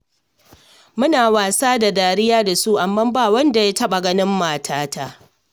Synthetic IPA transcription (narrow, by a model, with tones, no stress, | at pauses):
mʊ˦naː˨waː˨saː˦da˨daː˨ɽɪ˦jaː˦da˨su˦ʔa˨mːa˦mbaː˦wɐ˦nda˨ja˦tɐ˦ɓa˨ɡɐ˦nɪ˦mːaː˨tʰaː˦taː˦˨